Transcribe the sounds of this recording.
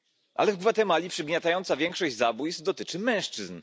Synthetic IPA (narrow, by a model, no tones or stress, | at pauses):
ʔa̰lɛvd̪vat̪ɛmalʲipʂɛbʲɲʲɛt̪ajɔnt̪savʲjɛŋkʂɔʑd͡ʑzabujst̪̚d̪ɔt̪ɘt͡ʂɘmɛ̃w̃ʂt͡ʂɘzn